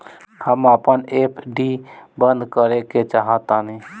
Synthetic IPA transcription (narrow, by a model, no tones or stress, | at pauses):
həməpəneːpʰɖibənd̪kəɾeket͡ʃaɦət̪anĩ